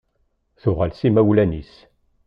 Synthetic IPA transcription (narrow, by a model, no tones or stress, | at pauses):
θʊʁalsimæwlænis